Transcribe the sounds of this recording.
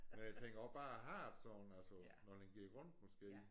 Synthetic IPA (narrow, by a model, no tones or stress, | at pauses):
menjat͡sʰeŋ̰ɡ̥ɐsb̥ɑ̈ːæɦɑ̈d̥sɒn̩ælsɐ | nɒd̥enɡ̥iɐʁɔ̽n̰d̥mɒsɡ̥e̝̰ː